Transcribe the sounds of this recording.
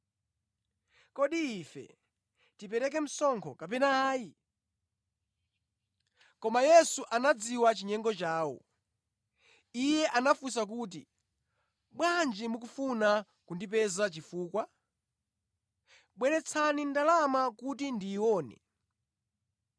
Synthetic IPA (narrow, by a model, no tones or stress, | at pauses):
kɔɗiːfɛ̰ | tipɛɾɛk̬ɛm̩sɔŋkʰɔkapɛnaːji | kɔmajɛsuʔanad͡ziwat͡ʃiɲɛŋɡɔt͡ʃaːwɔ̰ | ijɛʔanafus̬ak̬uːt̬ḭ | ɓwand͡ʒimukufuna | kundip̬ɛzat͡ʃifuːkwa | ɓwɛɾɛt͡sʰanindalamakut̬indiːwɔːnɛ̰